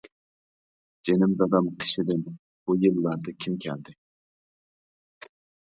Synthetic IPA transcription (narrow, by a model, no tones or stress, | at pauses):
d͡ʒenɪmd̪ɑd̪ɑmqʰə̥ʃɪd̪ɪn | b̥ujɨlˠːɑɾd̪ɨkʲʰimkʲʰɛld̪ɪ